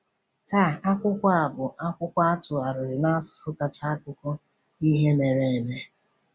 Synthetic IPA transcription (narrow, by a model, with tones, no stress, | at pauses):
ta˦˨a˦kʷʊ˦kʷa˦a˨bʊ˨a˦kʷʊ˦kʷa˦a˦tʊ˨a˨ɾʊ˨ɾɪ˨na˦a˦sʊ̥˨sʊ˦ka˨t͡ʃa˦a˦kʊ˦kʷɔ˦ | i˦ɦe˦ne˨ɾe˦˨e˨me˦